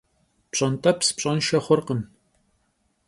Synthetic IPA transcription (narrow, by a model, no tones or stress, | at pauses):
pɕʼɐntʼɐpspɕʼɐnʃɐχʷɔrqən